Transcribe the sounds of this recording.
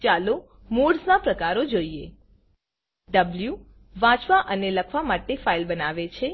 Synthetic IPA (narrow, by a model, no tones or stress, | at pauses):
t͡ʃalo | muɖsnapɾəkaɾod͡ʒoie | ɖəblju | ʋãt͡ʃʋaʔəneləkʰʋamaʈefailbənaʋet͡ʃʰe